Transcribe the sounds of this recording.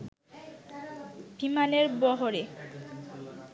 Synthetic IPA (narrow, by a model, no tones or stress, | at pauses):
bʱimaleɾbɔɦoɾe